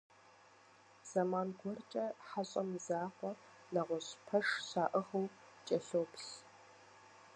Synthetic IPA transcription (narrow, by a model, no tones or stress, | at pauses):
z̥ɐmaːnɡʷɔrt͡ʃʼɐħaɕʼɐmɨzaːχʷɔ | naʁʷɔɕpʰɐʂɕaːʔəʁɐw | t͡ʃʼɐɬoːpɬ